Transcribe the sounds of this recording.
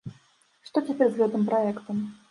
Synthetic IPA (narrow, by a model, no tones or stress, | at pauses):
ʂt̪ɔt͡sʲapʲɛrzɣɛt̪ɨmpɾʔaɛkt̪ɐm